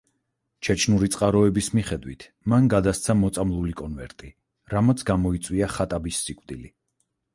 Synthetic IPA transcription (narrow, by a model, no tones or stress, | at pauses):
t͡ʃʰɛt͡ʃʰnuɾit̪sʼqʼaɾɔɛbismiχɛd̪wit̪ʰ | manɡad̪ast̪sʰamɔt̪sʼamlˠulikʼɔnvɛɾt̪ʼi | ɾamɔt̪sʰɡamɔit̪sʼwiaχat̪ʼabisːikʼvd̪ili